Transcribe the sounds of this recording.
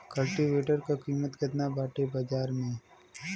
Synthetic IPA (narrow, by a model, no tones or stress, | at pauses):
kɐlʈiʋeːʈəɾkakiːmət̪kɪt̪nabaːʈebad͡ʒaːɾmẽː